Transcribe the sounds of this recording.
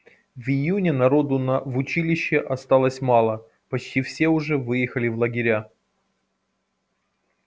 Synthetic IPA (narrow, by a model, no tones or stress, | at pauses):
vɪjunʲɪnɐɾo̞d̪ʊnɐvʊt͡ɕilʲɪɕːɪʔɐst̪alˠəsʲmɑlˠə | pɐt͡ɕtʲifsʲe̞ʊʐɛvɨjɪxəlʲɪvlˠəɡʲɪɾʲa